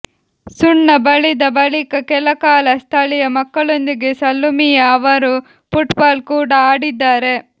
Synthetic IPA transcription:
suɳːɐbɐɭid̪ɐbɐɭikɐkɛlɐkaːlɐst̪ʰɐɭijɐmɐkːɐɭond̪iɡe̞sɐlːumijɐːʋɐɾu | puʈbaːlkuːɽɐaːɽid̪ːaːɾe̞

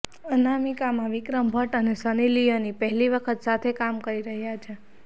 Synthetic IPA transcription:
ənamikamãʋikɾəmbʱəʈənesənilijonipəɦliʋəkʰət̪sat̪ʰekamkəɾiɾəɦjat͡ʃʰe

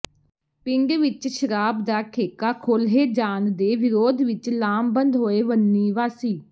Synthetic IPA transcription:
pɪŋɡʋɪt͡ʃʃəɾaːbd̪aːkʰeːkaːkʰoːlɦeːd͡ʒaːnd̪eːʋɪɾoːd̪ʋɪt͡ʃlaːmbənd̪ɦoːeːʋənːiːʋaːsiː

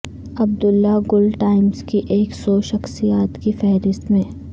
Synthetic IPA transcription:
ɐb̚d̪ʊlːaɡʊlʈaːɪmzkiʔeːksɔʃɐxsijaːt̪kifɛɦɾɪst̪mẽː

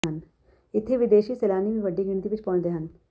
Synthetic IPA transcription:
ɦən | ɪt̪ʰːeʋɪd̪eːʃiːseːlaːnimĩʋɐɖːiɡɪɳt̪iʋɪt͡ʃpɔ̃ːnd̪eːɦɐn

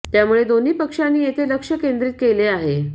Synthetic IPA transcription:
t̪jamuɭed̪on̤iːpəkʂanːiːjet̪ʰeləkʂəkend̪ɾit̪̚keleaɦe

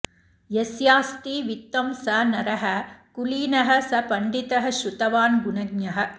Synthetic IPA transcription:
jesjaːst̪iʋɪt̪ːɐmsɐnɐɾɐɦɐkʊliːnɐɦɐsɐpɐɳɖɪt̪ɐɦɐʃʊt̪ɐʋaːnɡʊnɐɡ̚nɐɦɐ̆

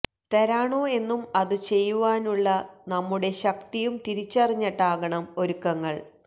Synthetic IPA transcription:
t̪eɾaːɳoe̞nːumɐðɨt͡ɕe̞jːuʋaːnuɭːɐnɐmːuɽe̞ɕɐkt̪ijumt̪iɾit͡ɕːɐriɲːɐʈːaːɣɐɳɐmo̞ɾukːɐŋːɐɭ

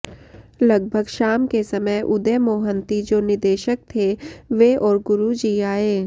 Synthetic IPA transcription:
lɐɡ̚bʱəɡʃaːmkesɐməjʔʊd̪emoːɦənt̪id͡ʒoːnɪd̪eːʃək̚t̪ʰeʋeɔːɾɡʊɾud͡ʒiaːeː

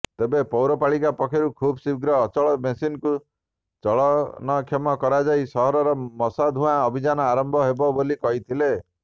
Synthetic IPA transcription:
t̪ebepɔwɾɔpaɭikapɔkʰeɾukʰubɔsiɡɾɔːt͡ʃɔɭɔmesinku | t͡ʃɔɭɔnɔkʰjemɔkɔɾad͡ʒajsɔɦɔɾɔɾɔmɔsad̪ʱũãɔbʱid͡ʒanɔaɾɔmbʱɔɦebɔbolikɔɦit̪ʰile

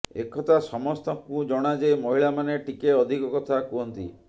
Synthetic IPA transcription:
ḛkɔt̪asɔmɔst̪ɔkũd͡ʒɔɽ̃ad͡ʒejmɔɦiɭamaneʈikeɔd̪ʱikɔkɔt̪ʰakuɦɔnt̪ḭ

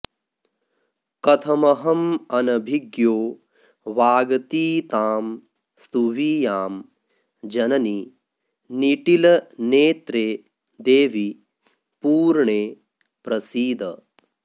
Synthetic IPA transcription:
kɐt̪ʰɐmɐɦɐmɐnɐbʱiɡjoː | ʋaːɡɐt̪iːt̪aːm | st̪uʋiːjaːm | d͡ʒɐnɐni | niʈilɐneːt̪ɾeː | d̪eːʋi | puːɾɳeː | pɾɐsiːd̪ɐ̰

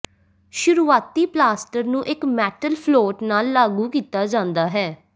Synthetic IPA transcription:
ʃʊɾuːaːt̪iːplaːsʈəɾnũːʔɪkmɛːʈəlpʰloːʈnaːlːaːɡuːkiːt̪aːd͡ʒãːnd̪aːɦɛː

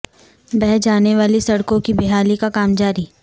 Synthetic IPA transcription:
bɛɦd͡ʒaːneʋaːlisɐɽkõkibɪɦaːlikakaːmd͡ʒaːɾi

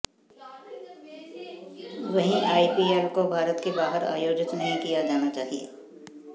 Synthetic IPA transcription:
ʋɐɦĩaːipiːaːɾkobʱaːɾət̪kebaːɦəɾa̰ːjoːd͡ʒɪt̪nɐɦĩkijad͡ʒaːnat͡ʃaːɦiḛː

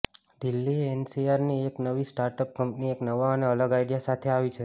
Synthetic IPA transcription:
d̪ilːiensiaɾnieknəʋisʈaɾʈəp̚kəmpnieknəʋaəneələɡajɽijasat̪ʰeaʋit͡ʃʰe

